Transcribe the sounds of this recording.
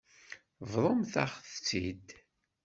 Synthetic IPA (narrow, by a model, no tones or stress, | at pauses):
vðˤomθaχθt͡sːḭd̪